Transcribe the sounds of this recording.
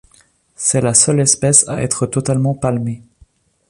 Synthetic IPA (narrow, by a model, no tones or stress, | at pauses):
sɛlasœlɛspɛsa̰ɛ̰t̪χət̪ɔt̪almɑ̃palme